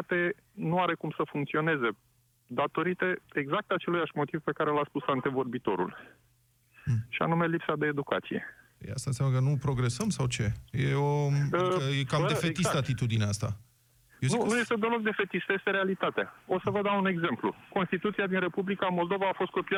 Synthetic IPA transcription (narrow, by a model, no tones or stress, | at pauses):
at̪e̞ | nuaɾe̞kumsəfuŋk̚t̪sio̞ne̞ze̞ | d̪at̪o̞ɾit̪eeɡzak̚t̪at͡ʃe̞lujaʃmo̞t̪ivpe̞kaɾe̞lat̪spusant̪e̞vo̞rbit̪o̞̰ɾṵl | ʃia̰nume̞lipsad̪e̞ːd̪uka̰t̪sije̞̰ | ja̰st̪ansjaməkənupɾo̞ɡɾe̞səmsawt͡ʃe̞jeo | jekamefet̪issat̪it̪ud̪ineast̪a | jezninujest̪ed̪əlo̞k̚d̪e̞fe̞t̪ist̪əje̞st̪e̞ɾealit̪at̪eao̞səvəd̪aune̞ɡze̞mplṵko̞nst̪it̪ut̪siad̪inre̞publikamold̪o̞vaːfost̪̚ko̞pia